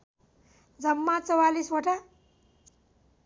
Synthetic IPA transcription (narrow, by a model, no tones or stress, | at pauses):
d͡zʌmːat͡sʌwalisoʈa